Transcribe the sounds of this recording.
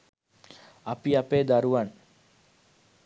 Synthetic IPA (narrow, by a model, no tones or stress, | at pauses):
apiapeːd̪aɾuʋan